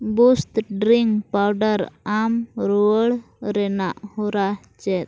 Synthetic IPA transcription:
bust̪ɖɾiŋpawɖəɾamɾuəɽ | ɾɛna̰ʔhɔɾa | t͡ʃɛt̪̚

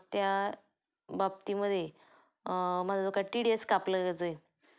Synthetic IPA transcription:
t̪ja | bab̚t̪iməd̪ʱːje | məd͡zad͡zokaʈiɽɖieskapləɡɛd͡zoe

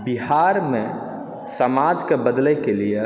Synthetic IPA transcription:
biɦaɾmẽ | səmad͡ʒkebəd̪ləjkelie

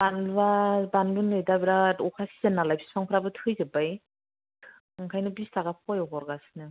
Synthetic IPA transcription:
banabanbɯnɯjdabiɾaɔkʰasi̥zanːalajpʰi̥spʰaŋpʰɯɾabɯtʰɯjzɯbaj | ŋkʰajnɯbistaɡapʰɔjɔkɔɾɡasnɯ

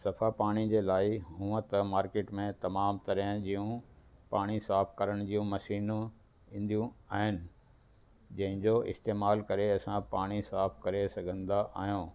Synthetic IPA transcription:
sɐfapaːɽ̃id͡ʑeːlaːɪɦũːə̃t̪ɐmaːɾkeːʈmẽt̪ɐmaːmt̪ɐɾɦə̃d͡ʑijũpaːɽ̃isaːfʰkɐɾəɽ̃d͡ʑiːjũmɐʃiːñ | ĩːnd̪ijũaːɦɪnɪ̆ | d͡ʑɐ̃ɦɪ̃ɲd͡ʑoɪ̰st̪eːmaːlkɐɾeɐsãpaːɽ̃isaːfkɐɾesɐɡʱə̃nd̪aʔa̰ːɦijũː

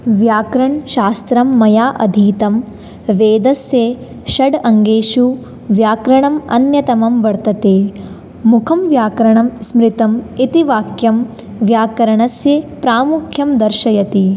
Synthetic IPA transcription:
ʋjaːkɾɐɳʃaːst̪ɾɐmːɐjaːʔɐd̪ʱiːt̪ɐm | ʋeːd̪ɐsjeː | ʃɐɖɐŋɡeːʃu | ʋjaːkɾɐɳɐmɐ̰njɐt̪ɐmɐmʋɐɾt̪ɐt̪eː | mukʰɐmʋjaːkɾɐɳɐmsmɾit̪ɐmit̪iʋaːkjɐm | ʋjaːkɐɾɐɳɐsjeːpɾaːmukʰjɐmd̪ɐɾʃɐjɐt̪i

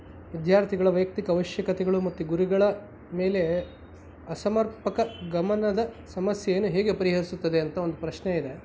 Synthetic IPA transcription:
ʋid̪ʱjaːɾt̪ʰiɡɐɭɐʋɐjɐk̚t̪ikɐːʋɐʃjɐkɐt̪ɛɡɐɭumɐt̪ːuɡuɾiɡɐɭɐ | me̞ːle̞ | ɐsɐmɐɾpɐkɐɡɐmɐnɐd̪ɐsɐmɐsjejeːnuɦɛːɡe̞pɐɾiɦɐɾisut̪ːɐd̪eɐnt̪ɐo̞nd̪upɾɐʃneid̪e

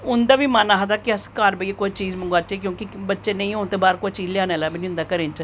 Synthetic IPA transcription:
ʊnd̪aːʋiːmanaːɦd̪aːkɪəskaːɾbəekoːit͡ʃiːd͡ʒməŋɡaːt͡ʃeːkjõːkɪbətːʃeːnə̃ĩːõːnt̪eːbaːɾkoːit͡ʃiːd͡ʒlɪjaːnɛːlaːbenĩʊnd̪aːkəɾeːnt͡ʃə

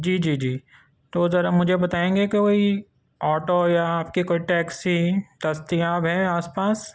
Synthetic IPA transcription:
d͡ʒiːd͡ʒiːd͡ʒiː | t̪ozɐɾamʊd͡ʒʱebɐt̪aːẽːŋɡekiʋoi | ɔːʈojaːp̚kikoːiʈɛːksit̪ɐst̪iaːbɦɛ̃aːspaːs

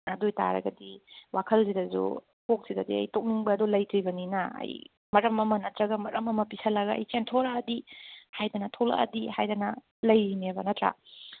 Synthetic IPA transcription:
ɐdojta̰ɾɐ̰ɡɐdiwakʰɐlsidɐzṵ | pok̚sidɐdiɐ̰jtok̚niŋbɐːdolɐjtɾibɐninɐɐ̰j | mɐɾɐmɐmɐnɐtɾɐɡɐmɐɾɐmɐmɐpisʰɐlɐɡaɐ̰jt͡ʃentʰoɾaːdihajdɐnɐtʰola̰ʔɐ̰dihajdɐnɐ | lɐjɾimebɐnɐtɾa̰

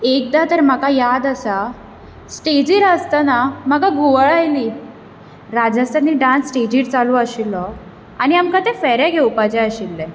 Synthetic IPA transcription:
ek̚d̪at̪əɾm̤akajad̪əsa | sʈed͡ʑiɾəst̪anam̤akaɡuʋəɭajliː | ɾad͡zəst̪aniɖãnsːʈed͡ʑiɾt͡saluəɕilːɔ | aɽ̃iamkat̪efɛɾaɡʱeupat͡ɕɛəɕilːɛ̃

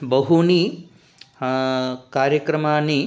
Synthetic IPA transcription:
bɐɦuni | kaːɾjɐkɾɐmaːni

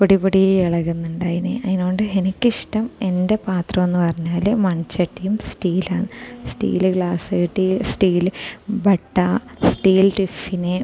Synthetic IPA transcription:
poɽipoɽieɭɐɣunːuɳɖaːjinḛɐðinoːɳɖɨenikʲːiʂʈɐme̞nde̞paːt̪rɐmo̞nːɨpɐrɐɲːaːlmɐɳit͡ɕːɐʈːijumsʈiːlaːɳɨsʈḭːlɡɭaːsɨʈisʈiːlbɐʈːɐsʈiːlʈifːine

